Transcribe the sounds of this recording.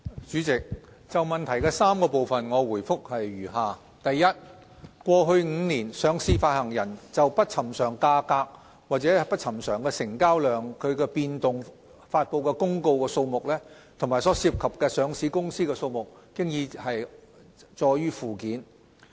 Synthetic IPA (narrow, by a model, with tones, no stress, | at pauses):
t͡ʃyː˨˥t͡sɪ˨k̚ | t͡sɐ˨wmɐ˨˩nt̪ʰɐ˨˩jkɛː˧saː˥mkɔː˧po˨wfɐ˨nŋɔː˨˧wuː˨˩jfʊ˥k̚hɐ˨jɥyː˨˩ɦaː˨˩ | t̪ɐ˨jjɐ˥t̚ | kʷɔː˧ɦɵ˧ɥŋ̩ː˨˧niː˨˩nsœː˨˧ŋsiː˧faː˧t̚hɐ˨˩ŋjɐ˨˩nt͡sɐ˨wpɐ˥t̚t͡sʰɐ˨˩msœː˨˩ŋkaː˧kaː˧k̚ | waː˨˩t͡sɛː˨˥pɐ˥t̚t͡sʰɐ˨˩msœː˨˩ŋkɛ˧sɪ˨˩ŋkaː˥wlœː˨ŋkʰɵ˨˧ɥkɛː˧piː˧nt̪ʊ˨ŋ | faː˧t̚po˨˧wkɛ˧kʊ˥ŋko˧wkɛː˧so˧wmʊ˨k̚lɛː˥ | t̪ʰʊ˨˩ŋmaː˨˩jsɔː˨˥si˧p̚kʰɐ˨p̚kɛː˧sœː˨˧ŋsiː˨˥kʊ˥ŋsiː˥kɛ˧so˧wmʊ˨k̚kɪ˥ŋjiː˧hɐ˨j | t͡ʃɔː˧jyː˥fuː˨˩kiː˨˥n